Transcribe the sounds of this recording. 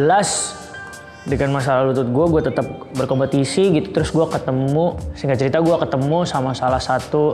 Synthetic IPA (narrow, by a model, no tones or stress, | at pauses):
d͡ʒəlas | dəŋanmas̬alalut̪ʊt̪̚ɡuaɡuat̪ət̪ap̚ | bərkɔmpət̪isiɡit̪u̥t̪əɾʊsɡuakət̪əmusəɦiŋɡat͡ʃəɾit̪aɡuakət̪əmusamasalahsat̪u